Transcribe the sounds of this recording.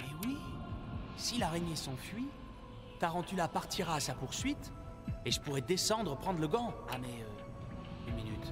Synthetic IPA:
mɛwi | silaʁeɲjesɔ̃fɥi | t̪aʁɑ̃t̪ylapaʁt̪iʁaːsapuʁsɥit̪ | eʒəpuʁɛd̪esɑ̃d̪ʁəpχɑ̃d̪ʁləɡɑ̃amɛø | ynminyt̪

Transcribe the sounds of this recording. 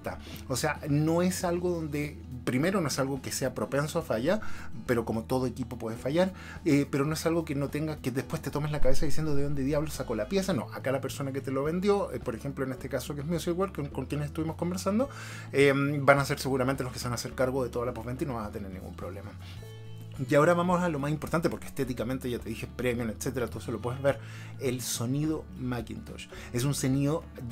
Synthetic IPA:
t̪a | oseano̞esalɣoðo̞nd̪e | pɾime̞ɾono̞e̞salɣokese̞apɾo̞pe̞nsoafaʝapeɾo̞komo̞t̪o̞ð̞oekipo̞pweðefaʝaɾ | epeɾono̞e̞salɣo̞kenot̪eŋɡakeðehpwe̞st̪e̞t̪omeslakaβesaðisje̞nd̪oðeðond̪eðjaβlosako̞lapje̞sano̞̰ʔakalape̞ɾso̞naket̪eloβe̞nd̪jo̞epoɾexemploene̞st̪ekasokeesmiosiiɣwalkokoŋkjenesest̪uβimo̞sko̞mbe̞ɾsand̪o | embanase̞ɾse̞ɣuɾament̪elo̞skeseanase̞ɾkaɾɣoðet̪o̞ðalapovβe̞nt̪aino̞βasat̪e̞neɾnːḭŋɡṵmpɾo̞βle̞ma | jao̞ɾaβamosalo̞masimpoɾt̪ant̪epokest̪et̪ikame̞nt̪e̞ʝat̪e̞ðixespɾemjonet̪set̪eɾat̪oselopweðezβe̞ɾ | elso̞nið̞o | makḭnt̪oʃ | e̞s̬unso̞niðo

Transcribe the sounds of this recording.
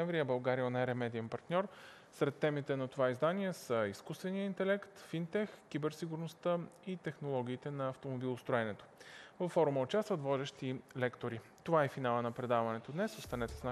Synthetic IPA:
ɛɱvɾijəbɐlˠɡaɾionɛɾɛmɛd̪iəmpɐɾt̪nʲɔɾ | sɾɛt̪ːɛmit̪ɛnɐt̪ovaizd̪aniɛsəiskust̪vɛnijəint̪ɛlɛkt̪fint̪ɛxkːibɛɾsiɡuɾnost̪əit̪ɛxnolˠɔɡ̟ʲiːt̪ɛnɐɐft̪omobilˠost̪ɾoɛnɛt̪o̥vɐfːɔɾuməot͡ʃast̪vət̪vɔd̪ɛʃt̪ilɛkt̪oɾit̪ovaɛfinalˠənɐpɾɛd̪avɐnɛt̪od̪nɛsost̪anɛt̪ɛ̥sna

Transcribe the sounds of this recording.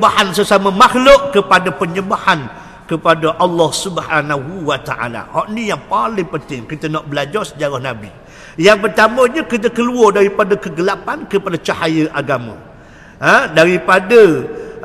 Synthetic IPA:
bahansəsaməmaxlʊʔ̚kəpadəpəɲəbahan | kəpadəʔalːɔhsubhanaɦuwat̪aʔa̰la̰hɔʔnijaŋpalɪŋpənt̪ɪŋkit̪ənɔʔbəlad͡ʒɔrsə̥d͡ʒaɾahnabi | jaŋpərt̪amə̃ɲəkit̪̬əkəluɔrdaɾipadakəɡəlapankəpadat͡ʃahajəʔaɡamã̰ | ədaɾipadə

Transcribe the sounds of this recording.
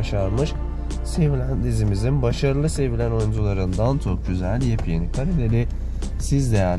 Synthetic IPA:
ʃaɾmɯʃ | se̞vilʲænd̪izimizinbaʃaɾɯlˠɯse̞vilʲæno̞jund͡ʒulˠaɾɯnd̪ant͡ʃʰok̚ɟyzælʲjepʰjenikʰaɾed̪elʲi | sizd̪e̞jæɾ

